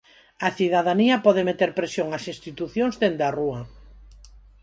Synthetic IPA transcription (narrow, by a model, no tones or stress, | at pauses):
ɐθiðaðaniɐpɔðemet̪eɾpɾesjoŋɐsĩnst̪it̪uθjõŋzðend̪aruɐ